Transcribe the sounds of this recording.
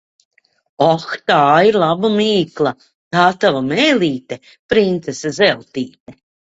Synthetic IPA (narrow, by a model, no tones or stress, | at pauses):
ɔxt̪aːiɾlˠabamiːklˠa | t̪aːt̪avamɛːliːt̪e | pɾint̪sesazɛlˠt̪iːt̪e